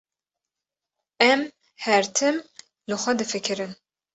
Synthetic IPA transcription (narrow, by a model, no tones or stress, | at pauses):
ɛm | hɛɾt̪ʰɨm | lɨxʷɛd̪ɨfɨkʰɨɾɨn